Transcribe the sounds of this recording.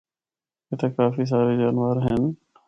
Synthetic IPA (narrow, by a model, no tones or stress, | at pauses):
eːt̪aːkaːfiːs̬aːɾeːd͡ʒaːnʋəɾɦen